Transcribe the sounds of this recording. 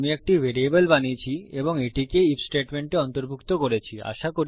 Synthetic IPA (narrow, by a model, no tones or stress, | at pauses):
miek̚ʈivʱeɾiebolbanit͡ɕʰieboŋeʈikeifsʈeʈmeɳʈeɔnt̪oɾbʱukt̪okoɾet͡ɕʰia̰ʃakoɾ